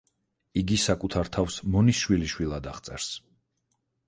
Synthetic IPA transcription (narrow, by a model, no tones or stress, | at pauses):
iɡisakʼut̪ʰaɾt̪ʰafsmɔnisʃwiliʃwilˠad̪aʁt̪sʼɛ̰ɾs